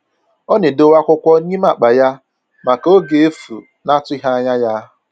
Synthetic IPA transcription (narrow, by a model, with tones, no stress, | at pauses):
ɔ˦ne˨do˨wa˦kʷʊ˦kʷɔ˦ɲi˦ma˨k͡pa˨ja˦ | ma˨ko˦ɡe˨e˦fṵ˨ | na˦tʊ˦i˦ɦa˦ɲa˦ja˦